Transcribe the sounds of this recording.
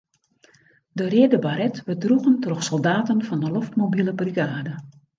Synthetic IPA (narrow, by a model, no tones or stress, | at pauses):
dərɪədəbaɾɛtʋədruɣəntroxsɔlˠdaːtənfɔndəloftmobiləbriɡaːdə